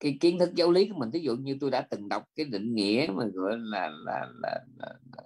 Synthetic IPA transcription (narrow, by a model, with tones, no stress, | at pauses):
kaː˨˦jki˦ənt̪ʰɨ˦˥k̚zə˨˦wli˨˦ku˨˧˦mi˨˩ŋ̟t̪ʰi˨˦zṵ˧˨ɲɨ˧t̪o˧jɗa̰ː˧˥t̪ɨ˨˩ŋɗə˨˩wk͡p̚kaː˨˦jɗḭ˧˨ŋ̟ŋḭ˧˥əmaː˨˩ɣɔ̰˧˨əjlaː˨˩laː˨˩laː˨˩laː˨˩a˨˩